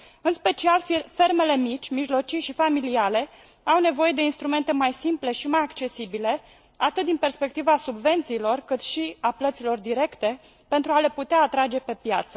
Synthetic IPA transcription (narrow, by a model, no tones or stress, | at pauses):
ɨnspe̞t͡ʃialfe̞rme̞le̞mit͡ʃʲmiʒlo̞t͡ʃijʃifamiliale̞ | awne̞vo̞je̞d̪e̞inst̪ɾume̞nt̪e̞majsimple̞ʃimajakt͡ʃe̞sibile̞ | at̪ɨt̪̚d̪inpe̞rspe̞k̚t̪ivasubve̞nt̪siːlo̞rkɨt̪ʃiaplət̪silo̞rd̪iɾe̞kt̪e̞ | pe̞nt̪ɾuale̞put̪eaːt̪ɾad͡ʒe̞pe̞pja̰t̪sə